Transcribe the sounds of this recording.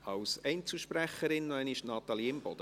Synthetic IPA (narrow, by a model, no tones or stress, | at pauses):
ɑwsɛɪnt͡suʃpræχəɾɪnːɔɛnɪʃnɑt̪ɑliɪmb̥ɔd̥̪ə